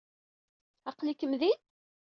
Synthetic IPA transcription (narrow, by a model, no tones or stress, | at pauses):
ɑqlikəmðið